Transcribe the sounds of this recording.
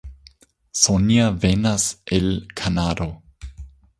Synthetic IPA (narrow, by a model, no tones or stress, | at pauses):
sonijavenaselkʰanaɾo